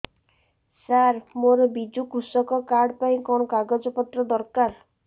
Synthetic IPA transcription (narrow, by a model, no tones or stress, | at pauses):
saɾmoɾɔbid͡ʒukusɔkɔkaɾɖpaĩkɔɽ̃ɔkaɡɔd͡ʒɔpɔt̪ɾɔd̪ɔɾkaɾ